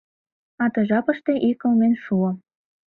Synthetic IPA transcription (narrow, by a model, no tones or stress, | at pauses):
ɑt̪ɤ̆ʒɑpɤ̆ʃt̪eʔikə̆lmenʃuɤ